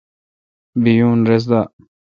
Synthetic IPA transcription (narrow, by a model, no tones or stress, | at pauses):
bijuːnɾes̬d̪a